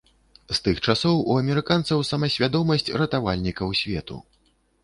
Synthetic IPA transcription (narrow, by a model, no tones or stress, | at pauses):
st̪ɨxt͡ʂasɔwuɐmʲɛɾɨkant̪sɐwsɐmɐsʲvʲad̪ɔmɐsʲt͡sʲrɐt̪avalʲnʲikɐwsʲvʲɛt̪ṵ